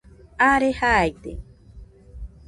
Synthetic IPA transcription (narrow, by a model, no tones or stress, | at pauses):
aɾehaːjt̪e